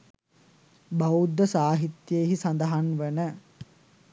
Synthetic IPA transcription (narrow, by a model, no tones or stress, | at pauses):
bɐud̪ːəsaːɦit̪jeɦisɐnd̪ɐɦanʋenə